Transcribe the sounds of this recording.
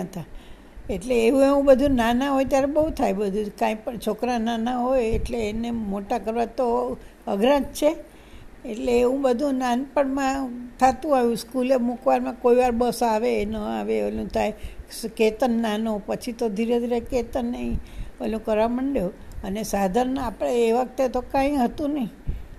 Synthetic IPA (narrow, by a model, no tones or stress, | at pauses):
ət̪ʰa | eʈleːʋũeʋũbəd̪ʱũnanãɦojt̪jaɾebəɦut̪ʰajbəd̪ʱũkãĩpəɳt͡ʃʰokɾananãɦojeʈleːnemoʈakəɾʋat̪o | əɡʱɾãd͡ʒt͡ʃʰeː | ʈleːũbəd̪ʱũnanpəɳmãt̪ʰat̪ũajũskulemukʋaɾmãkoiʋaɾbəsaʋenəaʋeəlũt̪ʰajsket̪ənːanopət͡ʃʰit̪od̪ʱiɾed̪ʱiɾeket̪ənːəɦĩəlũkəɾʋaməɳɖjoənesad̪ʱaɾnəapɽ̃eːʋək̚t̪et̪okãĩɦət̪ũnəɦĩ